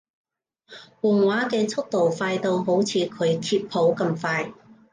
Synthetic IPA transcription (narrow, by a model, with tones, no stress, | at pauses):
wɔː˨˩ŋwaː˨˥kɛː˧t͡sʰʊ˥k̚t̪o˨˩wfaː˧jt̪o˧wɦo˨˥wt͡sʰiː˨˧kʰɵ˨˧ɥkʰiː˧p̚pʰo˨˥wkɐ˧mfaː˧j